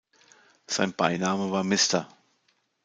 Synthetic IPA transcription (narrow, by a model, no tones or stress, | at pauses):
z̥aɪnb̥a̰ɪnaːməvaːɐmɪstɐ